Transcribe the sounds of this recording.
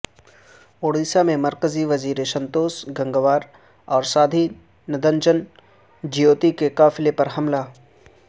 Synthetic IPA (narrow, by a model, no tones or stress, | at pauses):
oːɾd̪isamẽmɐɾkəziʋɐziːɾesɐ̃nt̪oːsɡɐ̃ŋɡəʋaːɾ | ɔːɾsaːd̪ʱi | nɐd̪ənd͡ʒən | d͡ʒijoːt̪ikekaːfɪlepɐɾɦɐmla